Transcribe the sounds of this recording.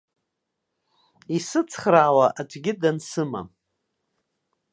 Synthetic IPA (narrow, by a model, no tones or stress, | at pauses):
isɨt͡sʰχraːwaʔad͡ʒʷʼɡʲɪdansɨma̰